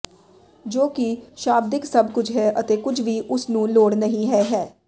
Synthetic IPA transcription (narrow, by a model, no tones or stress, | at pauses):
d͡ʒoːkiʃaːb̚d̪ɪksəbkʊt͡ʃʰɦɛːʔət̪eːkʊd͡ʒʰʋiːʔʊsnũːloːɽnəɦĩːɦɛːɦɛː